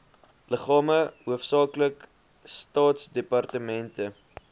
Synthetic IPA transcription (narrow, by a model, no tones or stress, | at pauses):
ləχɑːməɦuəfsɑːklək | stɑːtsdepɐrtəmɛntə